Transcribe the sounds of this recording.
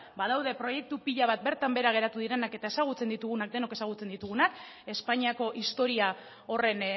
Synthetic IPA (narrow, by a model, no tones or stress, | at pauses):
baðawðe̞pɾo̞je̞k̚t̪upiʎaβ̞at̪̚be̞ɾt̪ambe̞ɾaɣ̞e̞ɾat̪uðiɾe̞nake̞t̪ae̞saɣ̞ut͡se̞nd̪it̪uɣ̞unak̚d̪e̞no̞ke̞saɣ̞ut͡se̞nd̪it̪uɣ̞unak | e̞spaɲiako̞ʔist̪o̞ɾia | o̞re̞n